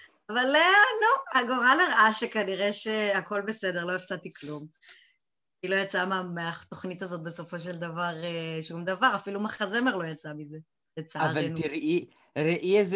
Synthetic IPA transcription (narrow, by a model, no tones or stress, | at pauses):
avalːenuaɡoʁaleʁaʔaʃekaniʁe̞ʃeako̞lbese̞d̪e̞ʁlo̞efsat̪iklum | ilo̞jat͡samameaχt̪o̞χnit̪azo̞t̪̚be̞so̞fo̞ʃe̞ld̪avaʁeʃumd̪avaʁafilumaχazemeʁlo̞jat͡samize | jat͡saaʁvaeniɾʔi | ɾeʔiez